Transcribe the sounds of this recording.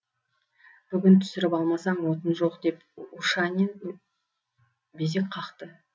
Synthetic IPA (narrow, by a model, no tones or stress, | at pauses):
b̥ʏɡʲɪnt̪ʰʏ̥sɪɾɪpɑlˠmɑsɑɴwo̞t̪ənʒo̞qd̪e̞puʃɑnen | bes̬e̞k̚ʲqʰɑqt̪ə